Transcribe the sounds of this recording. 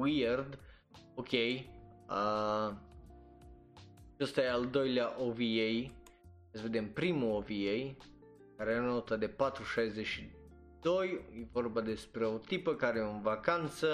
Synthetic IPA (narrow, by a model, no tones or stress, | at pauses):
wierd̪ | okʲe̞jə | t͡ʃast̪ajeald̪o̞jleaʔoviej | t̪səve̞d̪e̞mpɾimuoviej | kaɾeano̞t̪əd̪e̞pat̪ɾuʃajzeʃi | d̪o̞jjevo̞rbad̪e̞spɾe̞ot̪ipəkaɾejeonvakant̪sə